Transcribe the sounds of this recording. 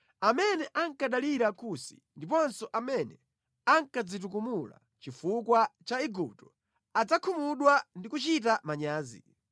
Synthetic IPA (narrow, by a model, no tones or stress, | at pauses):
amɛnɛʔaŋkaɗaliɾakusi̥̰ | ndipɔnsɔʔamɛnɛ | aŋkad͡zit̬uk̬umula̰ | t͡ʃifukwat͡ʃaiɡup̚tɔ̥ | ad͡zakʰumuɗwandikut͡ʃitamaɲaːzḭ